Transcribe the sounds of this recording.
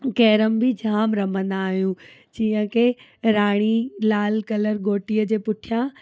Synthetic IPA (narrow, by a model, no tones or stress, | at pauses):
kɛːɾəmbʱɪd͡ʑʱaːmɾɐmə̃nd̪aːɦijũ | d͡ʑiːɦə̃ke | ɾaːɽ̃ilaːlkɐləɾɡoːʈijəd͡ʑeːpʊʈʰijã